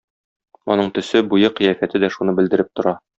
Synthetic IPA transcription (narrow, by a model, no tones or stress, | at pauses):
ɒ̰nɤɴt̪ɵ̆sɘbujɤqĭjæfæt̪ɘd̪æʃunɤbɘ̆ld̪ɘ̆ɾɘp̚t̪ŏɾɑ